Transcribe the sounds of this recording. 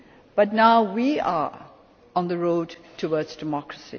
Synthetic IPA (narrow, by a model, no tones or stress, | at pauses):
b̥ʌtnaʊwia̰ɹ | ə̃nðəɹoʊdtʰəwɔdzdəmɔkɹəsḭ